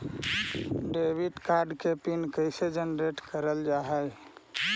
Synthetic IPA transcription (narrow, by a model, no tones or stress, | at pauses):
ɖebiʈkaɾɖkepinkəɪsed͡ʒənɾeʈkəɾəld͡ʒaɦəj